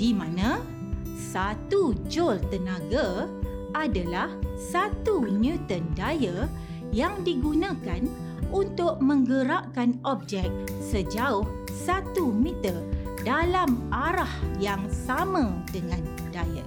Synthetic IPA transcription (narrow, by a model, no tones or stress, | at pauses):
dimãnã | sat̪ud͡ʒolt̪ənãɡa | adalahsat̪unjut̪əndajə | jaŋdiɡunãkan | unt̪ʊʔ̚mə̃ŋɡəɾaʔkanɔp̚d͡ʒɛk̚ | səd͡ʒaʊh | sat̪umĩt̪ərdalamaɾahjaŋsamãdəŋãn | dajə̰